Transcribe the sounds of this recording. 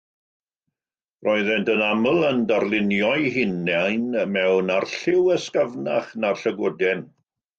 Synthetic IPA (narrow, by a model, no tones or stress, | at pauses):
rʔɔɨðɛntənaməlˠəndarlˠɪnjɔɨɦɪnːajnəmɛwnarɬɪwəskavna̰χnarɬəɡʊdɛn